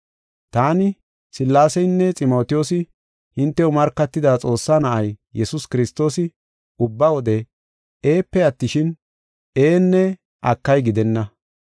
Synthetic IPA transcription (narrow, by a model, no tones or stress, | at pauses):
t̪aːnɪ | sɪlːaːsɛjnːɛt͡sʼɪmo̞ːt̪ɪjo̞ːsɪ | hɪnt̪ːɛʊmɐɾkːɐt̪ːɪd̪aːt͡sʼo̞ːsːanɐʔɐjjɛsʊskɪɾɪst̪ːo̞ːsɪ | ʊbːɐwɔd̪ɛ | eːpːɛɐt̪ːɪʃɪn | e̞ːnːɛ | ʔɐkːɐjɡɪd̪ɛnːɐ